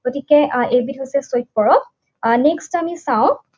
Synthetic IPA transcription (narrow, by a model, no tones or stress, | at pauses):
ɡ̥otikɛebitɦojsɛsojt̚pɔɹɔ | nekstamisãʊ̃